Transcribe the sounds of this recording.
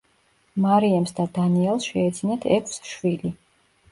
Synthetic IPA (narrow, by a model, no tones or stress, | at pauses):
maɾiamsd̪ad̪aniɛlˠsʃɛɛd̪zʰinat̪ʰɛkʰsʃwili